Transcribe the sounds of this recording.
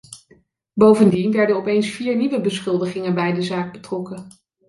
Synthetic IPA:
bowvəndinʋɛɹdənɔpejnsfiːɹniʋəbəsχɵlˠdəχɪŋənbɛjdəzaːɡ̚bətrɔkə

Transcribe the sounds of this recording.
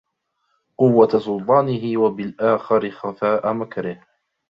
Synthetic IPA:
qʊwːasʊlt̪ˤɑːnɪɦɪwabɪlʔaːxɪɾɪxafaːʔamakɾɪh

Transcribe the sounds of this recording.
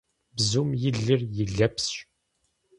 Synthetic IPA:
bzumjiɮːiɾjəɮːæpsʃ

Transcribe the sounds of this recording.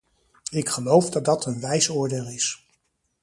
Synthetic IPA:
ɪkχəlowvdɑd̚dɑtʰənʋɛjsʊːɹdeːlˠɪs

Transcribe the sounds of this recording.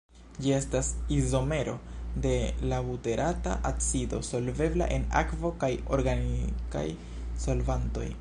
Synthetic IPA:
d͡ʒie̞stasizo̞me̞ɾo̞̰de̞lavute̞ɾʔata̰ʔasido̞so̞lve̞bla̰ʔe̞na̰kvo̞kajo̞ɾɡanika̰j | so̞lvanto̞̰j

